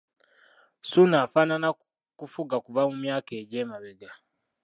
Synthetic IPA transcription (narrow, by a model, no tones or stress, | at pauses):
sunaːfaːnana | kufuɡakuvamumjaːke̞ːɟeːmaβeɡa